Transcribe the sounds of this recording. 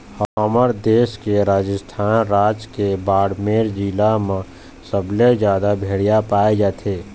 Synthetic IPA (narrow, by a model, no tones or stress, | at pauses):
həəməɾd̪eːʃkeɾaːd͡ʒəst̪ʰaːnɾaːd͡ʒkebaːɽmeːɾd͡ʒilamã | səbʱled͡ʒjaːd̪abʱeːɽijapaːed͡ʒaːt̪ʰeː